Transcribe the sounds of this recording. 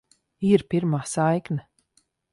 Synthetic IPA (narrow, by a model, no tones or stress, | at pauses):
iɾpʲiɾmaːsajkna